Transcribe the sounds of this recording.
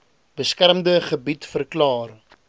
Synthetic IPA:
b̥əskærmdəχəbitfərklɑːr

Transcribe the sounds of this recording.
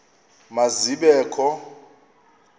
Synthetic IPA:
maziɓɛːkʰɔ

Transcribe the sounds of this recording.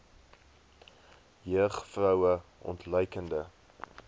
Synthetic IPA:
jəəχfrœwəʔɔ̰ntlœjkəndə

